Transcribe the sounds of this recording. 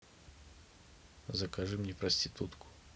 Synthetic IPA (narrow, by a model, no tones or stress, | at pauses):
zɐkaʐɨmnʲɛpɾɐsʲtʲɪt̪ut̪kʊ̥